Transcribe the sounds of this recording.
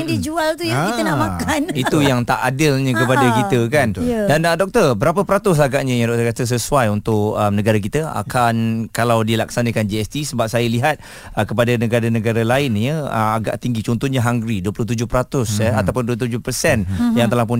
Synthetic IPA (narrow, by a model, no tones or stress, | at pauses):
ŋdid͡ʒualt̪ujait̪ənaʔmakaniujaŋt̪aʔadɪlɲə̃kəpadakit̪əkandandɔk̚t̪ərbəɾapəpəɾat̪ʊs̬aɡaʔɲəjadɔk̚t̪ərkat̪əs̬əsuajunt̪ʊʔənəɡaɾak̬it̪əa̰kʰankalawdilaksanəkand͡ʒiɛst̪isəbap̚sajəliɦat̪̚ | əkəpadanəɡadanəɡaɾalaɪnjəə̰maɡa̰ʔt̪iŋɡit͡ʃɔnt̪ɔhɲaɦaŋɡɾiduəplʊht̪̬ud͡ʒʊhpəɾat̪ʊsəat̪awpʊnduət̪ud͡ʒʊpəsɛnjaŋt̪əlapʊn